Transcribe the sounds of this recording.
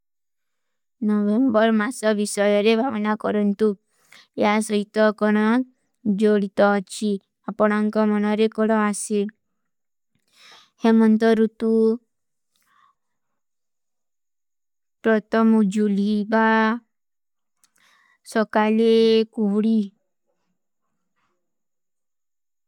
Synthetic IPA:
nɔbembɔɾmasɔbisɔjɔɾebʱabnakɔɾɔnt̪u | eɦasɔɦit̪ɔkɔɽ̃ɔ | d͡ʒoɽit̪ɔt͡ʃʰi | apɔɽ̃ɔŋkɔmɔnɔɾekɔɽɔase | hemɔnt̪ɔɾut̪u | pɾɔt̪ʰɔmud͡ʒuliba | sɔkalekuɦɽi

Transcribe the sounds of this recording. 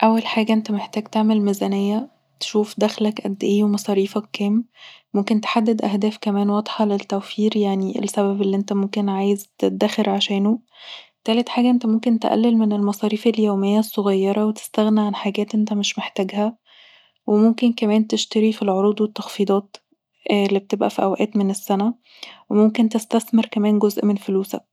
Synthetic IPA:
ʔæwːælħaːɡæʔent̪æmeħt̪æːɡt̪eʕmelmezænejːæ | t̪ʃuːfd̪æxlækʔæ̰d̪ːæʔeːwemɑsˤɑːɾiːfækːæːmːomkent̪e̥ħad̪ːed̪ʔæhd̪æːfkæmæːnwɑd̪ˤħɑlet̪ːæwfiːɾjaʕniʔḛlsæβæbelːiʔent̪æmomkenʕaːjezt̪et̪̚d̪æxeɾʕaʃæːno | t̪æːlet̪ħaːɡæʔent̪æmomkent̪eʔæ̰lːelmenelmɑsˤɑːɾiːfeljoːmejːæsˤːoɣɑjːɑɾˤɑwet̪e̥st̪æɣniʕanħaɡæːt̪ʔent̪æmeʃmeħt̪æːɡhæ | wʔemomkenkæmæːnt̪eʃt̪æɾifilʕoɾuːd̪wet̪ːɑxfiːd̪ˤɑːt̪ | lːibet̪ebʔæ̰fiʔæ̰wæʔæːt̪menesːænæ | wemomkent̪est̪æθmeɾkæmæːnɡozʔmenfluːsæ̰k̚

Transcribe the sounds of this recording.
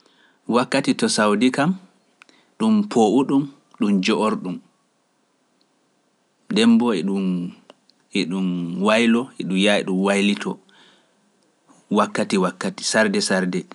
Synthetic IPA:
wakːatitɔsawdikam | ɗumpʰoʔuɗum | ɗumd͡ʒɔʔoɾɗum | ɗɛmbɔɛɗum | ɛɗumwajlɔɛɗumjaɛɗumwajlitʰɔ | wakːatiwakːati̥saɾdɛsaɾdɛ

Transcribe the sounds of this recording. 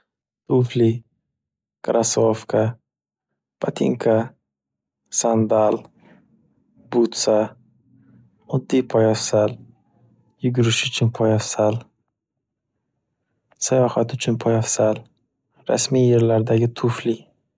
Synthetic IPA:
t̪ʰʊfli | kʰɾasofkʰa | b̥at̪ʰḭŋkʰa | sand̪al | but̪sa | ɒd̪ːipʰɒjafsal | jʊɡʲʊɾɪʃʊt͡ʃʰʊnpʰɒjafsal | sajɒhat̪ʊt͡ʃʰʊnpʰɒjafsal | ɾa̰smijːeɾlaɾd̪aɡʲɪt̪ʰʊfli

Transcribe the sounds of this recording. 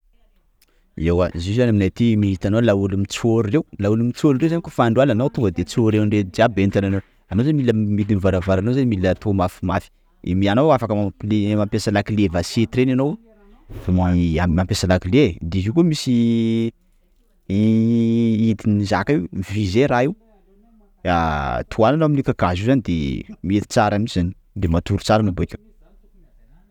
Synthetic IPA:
ewazizanaminat̪imiɦit̪anolaulumit͡soɾurewlaulumit͡soɾuɾewzanikofaɳɖ͡ʐalanowt̪uŋɡəd̪et͡soɾewɳɖ͡ʐed͡ziabenit̪anano | amozaimiləmid̪inivaɾavaɾanowzanmilət̪ʰomafimafi̥ | ḭmianowafakəmaplemampesalakilevaset̪ɾenanow | v̥amamampesalakiled̪eɦikumisi | id̪inizakaiwmifizeɾaiw | at̪ʰuananoaminikaɡazizanid̪ḛmiet̪i̥t͡saɾamiz̥ani̥ | d̪emat̪uɾut͡saɾanabekʲa

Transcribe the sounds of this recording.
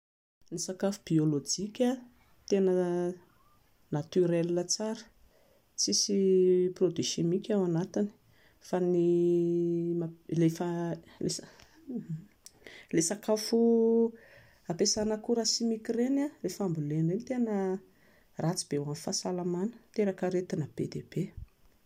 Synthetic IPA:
nisakafub̥iolod͡ʒikʲa | t̪enə | nat̪yɾɛllət͡saɾə̥ | t͡sisiprod̪iʃemikʲawanat̪ini̥ | fani | malefə | le | lesakafu | apesanəkuɾasimikirenalefambulenenit̪enə | rat͡sib̥ewanifasalamanə̥t̪eɾakəɾet̪inab̥ed̪eb̥e

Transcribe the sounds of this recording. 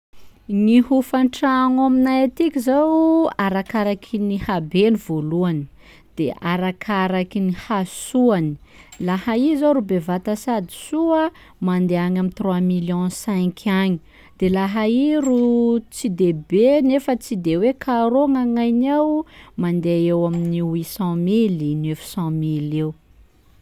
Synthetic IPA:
niɦufaɳʈ͡ʂaŋaminajat̪ikʲizawaɾakaɾakʰinihabenivoluani | d̪̥eʔaɾakʰaɾakinihasuani̥lahaizaɾubevat̪asad̪i̥suə | mand̪eaɲamint̪rwamiljɔ̃sɛ̃kʰaɲi̥ | d̪̥elaɦaiɾut͡sid̪ebenefət͡sid̪ewekʰaɾoŋaŋajnawmand̪eewaminiwisɑ̃milinefi̥sɑ̃milew

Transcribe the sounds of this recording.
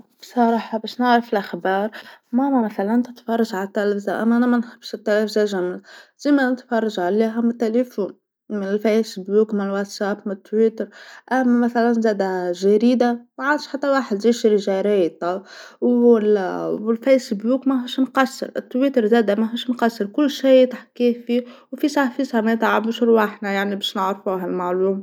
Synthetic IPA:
bsˤɑɾˤɑːħɑbæːʃnaʕɾɑfɪlʔaxbɑːɾˤmæmæmæθælænt̪ɪt̪fɑrˤːɑʒʕalæt̪ːælfzaʔæmːʔænæmænħɪbːʃɪt̪ːælæːfzaʒæmɪzz̥iːmænɪt̪fɑrˤːɑʒʕaliːɦæmɪt̪ːælifuːn | mɪnɪlfæsbjuːkmɪnɪlwat̪sæːpmt̪ːwiːt̪əɾˤʔæmːæmæθælænzæːd̪æʒæɾiːd̪amæʕand̪ʃħat̪ːæwaːħəd̪ziːʃɾiʒæɾæjt̪ˤɑw | wɪlfæsbjuːkmæɦuʃnqɑsːə̰ɾʔɪt̪ːwiːt̪əɾˤzæːd̪æmæɦuːʃnqɑsːəɾkʊlːʃiːt̪aħkiːfiwfisˤafiːsɑmæt̪aʕabuʃɾwaħnæjaʕnibɛːʃnəʕɾfuɦælmaʕluːm

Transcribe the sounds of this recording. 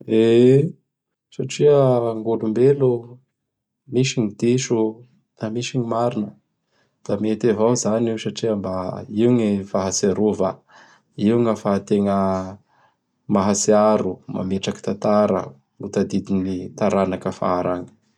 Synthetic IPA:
e | saʈ͡ʂiəŋɡolumbelu | miʃiŋid̪̥iʃu | namiʃiɲimaɾinə | d̪̥amet̪evawzaniwsaʈ͡ʂiəmbaiŋifaɦasaɾuva | iwŋəfat̪eŋə | maɦasiaɾuma̰meʈ͡ʂaki̥t̪at̪aɾə̰ | ut̪ad̪id̪init̪aɾanakəfa̰aɾaŋ̥

